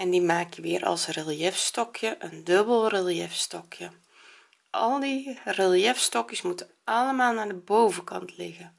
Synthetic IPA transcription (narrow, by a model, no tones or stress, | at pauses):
ɛndimaːkjəʋɪːɾʔɑ̰lˠsrelˠjɛfstɔkjəʔəndɵbəlˠrelˠjɛfstɔkʰjə | ʔɑlˠdirɪlˠjɛfstɔkjəsmutə | ɑləmaːlˠnaːdəbowvəkɑ̰ntʰlɪɣə